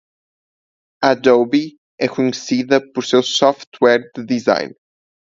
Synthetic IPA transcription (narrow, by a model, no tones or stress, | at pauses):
ad̪owβi | ɛkuɲɨsiðɐpoɾsewsɔft̪wɛɾd̪ɨðiza̰jn